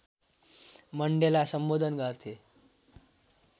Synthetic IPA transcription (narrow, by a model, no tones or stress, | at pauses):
məɳɖelasəmbod̪ʱənɡʱəɾt̪ʰe